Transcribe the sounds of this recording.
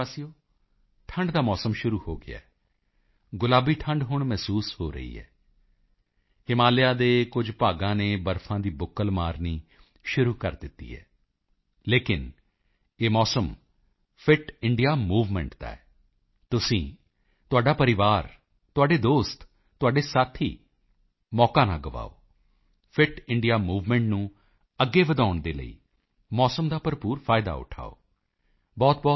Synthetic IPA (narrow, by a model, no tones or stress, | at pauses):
aːsijoː | ʈʰə̃ɳɖd̪aːmɔːsəmʃʊɾuːhoːɡɪ̰a̰ːɛː | ɡʊlaːbiːʈʰə̃ɳɖɦʊɳmɛːsuːshoːɾə̰ḭːɦɛ̰ː | hɪmaːljaːd̪eːkʊd͡ʒpaːɡãːneːbəɾfʰãːd̪iːbʊkːəlmaːɾniː | ʃʊɾuːkəɾd̪ɪt̪ːḭːɦɛ̰ː | leːkɪn | eːmɔːsəm | pʰɪʈɪɳɖijaːmuːʋmɛ̰̃ːɳʈt̪a̰ːɛ | t̪ʊsĩː | t̪ʊaːɖaːpəɾɪʋaːɾ | t̪ʊaːɖeːd̪oːst̪ | t̪ːʊaːɖeːsaːt̪ʰḭː | mɔːkaːnã̰ːɡəʋa̰ːo̰ː | pʰɪʈɪɳɖijaːmuːʋmɛ̃ːɳʈnũː | əɡːeːʋəd̪aːʊɳd̪eːlə̰ḭː | mɔːsəmd̪aːpəɾpuːɾpʰaːɪd̪a̰ːʊ̰ʈʰa̰ːo̰ː | bɔːt̪̚bɔː